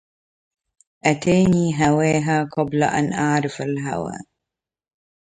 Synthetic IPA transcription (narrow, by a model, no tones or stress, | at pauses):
ʔat̪aːniːɦawaːɦaqɑblaʔa̰nʔaʕɾˤɪfalɦa̰wa̰ː